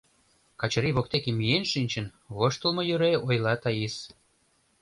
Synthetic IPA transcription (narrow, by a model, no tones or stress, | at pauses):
kɑt͡ɕɤ̆ɾiβokt̪ekemijenʃinʲt͡ɕə̆n | βoʃt̪ə̆lmojøɾeojlˠɑt̪ɑjis